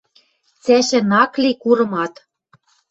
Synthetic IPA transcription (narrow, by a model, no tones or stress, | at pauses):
t͡sæʃɘ̆nɑklikuɾɤ̆mɑt̪